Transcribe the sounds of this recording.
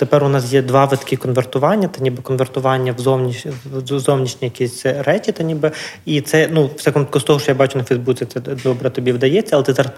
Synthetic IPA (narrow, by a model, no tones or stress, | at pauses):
t̪epɛrʊnɑsjɛd̪ʋɑʋɪt̪kʲikɔnʋert̪ʊʋɑnʲːɐt̪ɐnʲibɨkɔnʋert̪ʊʋɑnʲːɐʋzɔwnʲizɔwnʲiʃʲnʲijɐkʲisʲrɛt͡ʃit̪ɐnʲibɪit̪sɛnuʋsʲɛkɔmt̪kʊst̪ɔɦɔʃt͡ʃɔjabɑt͡ʃʊnɐfɐjzbut͡sʲɛt̪sɛd̪ɔbɾɛt̪ɔbʲiʋd̪ɐjɛt͡sʲːɐlˠɛt̪ɪzɑɾɐs